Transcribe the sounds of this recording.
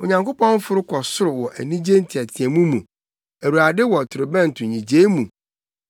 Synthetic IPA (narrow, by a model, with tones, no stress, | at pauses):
o˨ɲã˨ŋko˦pɔ̃˦n˦fʊ˦ɾʊ˦kʰɔ˨sʊ˦ɾʊ˨wɔ˨ʔæ̰˨nĩ˦d͡ʑe˦n̩˦tʰi˨æ˨tʰĩ˨ɛ˨mũ˦mũ˨ | æ˨wu˨ɾa˨dɪ˦wɔ˨tʰʊ˨ɾʊ˨bɛ̃˦n˨tʰʊ˨ɲĩ˨d͡ʑeː˦mũ˨